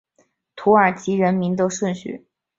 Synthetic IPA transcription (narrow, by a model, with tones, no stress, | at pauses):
t̪ʰu˧˥ə˞˨˩t͡ɕi˧˥ɻə˧˥nmi˧˥nt̪̬o˥ʊʂwə˥˧nɕy̰˥˩